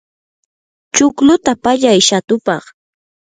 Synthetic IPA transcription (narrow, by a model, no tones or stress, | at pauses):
t͡ʃʊklʊt̪apaʎajʃat̪ʊpɑ̰χ